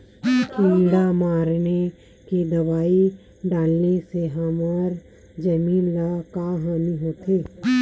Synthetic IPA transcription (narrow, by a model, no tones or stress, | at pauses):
kiːɖamaːɾne | kid̪ɐʋaːi | ɖaːlneseɦɐmɔːɾ | d͡ʒəmiːnlakaɦaːniɦoːt̪ʰeː